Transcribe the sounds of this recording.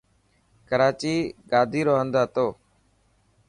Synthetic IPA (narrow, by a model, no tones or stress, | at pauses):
kəɾaːt͡ʃiːɡaːd̪ʱiːɾoːɦənd̪aːt̪oː